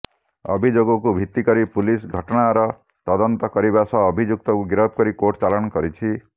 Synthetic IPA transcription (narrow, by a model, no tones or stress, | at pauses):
ɔ̰bʱid͡ʒoɡɔk̬ubʱit̪ːikɔɾipulisɡʱɔʈɔɽ̃aɾɔ | t̪ɔd̪ɔnt̪ɔkɔɾibasɔːbʱid͡ʒuk̚t̪ɔkuɡiɾɔb̚kɔɾikoʈt͡ʃalɔ̃ɔkɔɾit͡ʃʰi